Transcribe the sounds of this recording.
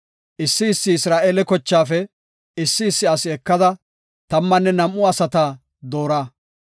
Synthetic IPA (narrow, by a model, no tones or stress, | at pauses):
ʔɪsːɪɪsːɪɪsɾaːʔeːlɛkɔt͡ʃːaːfɛ | ɪsːɪːsːɪɐsɪɛkːɐd̪ɐ | t̪ɐmːɐnːɛnɐmʔʊɐsɐt̪aː | d̪o̞ːɾaː